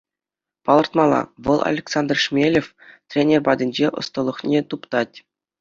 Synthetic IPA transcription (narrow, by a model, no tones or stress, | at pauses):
pɑlˠɤ̆rt̪mɑlˠɑ̰ʋɤ̆lˠɑ̰lʲeksɑnd̪rʂmʲelʲefʲ | t̪ʲrʲenʲerbɑdʲɘ̆nʲd͡ʑeʔɤ̰̆st̪ɤ̆lˠːɤ̆χnʲet̪upt̪ɑtʲ